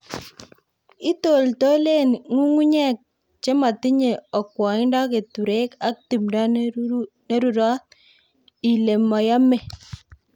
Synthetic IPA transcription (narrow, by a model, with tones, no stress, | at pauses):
i˦to˨lto˦le˦nŋu˦ŋu˦ɲɛ˦˨k̚ | t͡ʃe˦ma˨ti˦ɲe˨ɔ˨kwɔ˨i˦nda˦ke˨tu˨ɾe˦ka˦k̚ti˨mda˦ | ne˦ɾu˨ɾɔ˦t | i˨le˨mɔ˨ja˦mɛ˨